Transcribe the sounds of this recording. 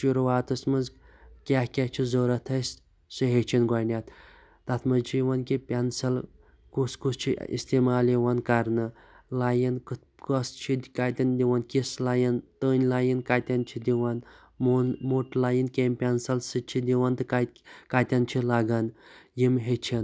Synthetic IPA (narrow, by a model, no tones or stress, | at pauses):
ʃuɾuwaːt̪ɨsmɨnz | kʲahkʲet͡ʃʰizoːɾɐt̪ʰɐs | sɨɦet͡ʃʰinɡɐnʲat̪ | t̪ɐt̪ʰmɐzt͡ʃʰiʋɐnkipʲɐnsɐl | kuskust͡ʃʰḭḭst̪iːmaːliʋɐnkɐɾnɨ | lajink | kɐst͡ʃʰikat̪ʲɐnd̪iʋɐnkʲislajint̪əːnʲlajinkat̪ʲɐnt͡ʃʰid̪iʋɐn | munmuʈlaːjinkʲeːmʲpʲɐnsɐlsɨt͡ʃʰid̪iwɐnt̪ɨkakat̪ʲɐnt͡ʃʰilɐɡɐnjimɦet͡ʃʰin